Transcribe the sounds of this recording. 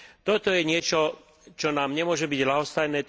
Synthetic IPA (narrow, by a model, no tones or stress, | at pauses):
t̪ɔt̪ɔjɛɲɪɛt͡ʃɔ | t͡ʃɔnaːmɲɛmʊɔʒɛbiɟɦlaɦɔst̪ajnɛːt̪